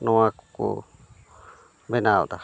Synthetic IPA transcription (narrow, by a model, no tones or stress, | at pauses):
nũãku̥kṵ | benão̰t̪a